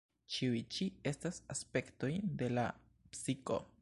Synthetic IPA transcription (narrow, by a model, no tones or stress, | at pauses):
t͡ʃiuit͡ʃiestasaspe̞ktojnd̪e̞la̰ | psiko̰